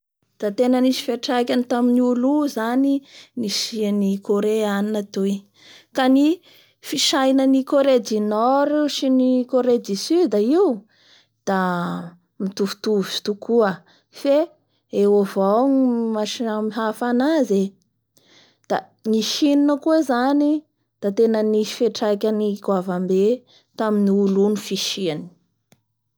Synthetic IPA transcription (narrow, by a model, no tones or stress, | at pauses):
d̪̥at̪enəniʃi̥feʈ͡ʂakʲanit̪aminiuluzaniniʃianikoɾeaninat̪u | kani | fiʃajnənikoɾed̪inɔɾiʃinikoɾed̪isyd̪aiu | d̪̥a | mit̪uvu̥t̪uvuii̥t̪ukʰuə | fe | ewovawmaʃamiɦafanaze | d̪̥a̰ | niʃininəkuezani | d̪̥at̪enənifeʈ͡ʂajkʲaniɡwavambe | t̪aminiulunufiʃiani̥